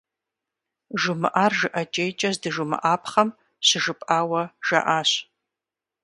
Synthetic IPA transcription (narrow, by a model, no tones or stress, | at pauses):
ʒʊmɨʔaːrʒɨʔɐt͡ʃʼejt͡ʃʼɐzdɨʒʊmɨ̰ʔaːpʰχɐm | ɕɪʒɨpʼʔaːwɐʒ̥ɐ̰ʔaːɕ